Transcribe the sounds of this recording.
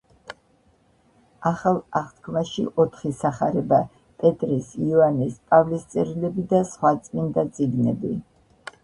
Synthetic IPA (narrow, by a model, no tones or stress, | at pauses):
aχalˠaχt̪kʰmaʃḭʔɔt̪ʰχisaχaɾɛba | pʼɛt̪ʼɾisianispʼavlist̪sʼɛɾilɛbid̪asχwat̪sʼmind̪at̪sʼiɡnɛbi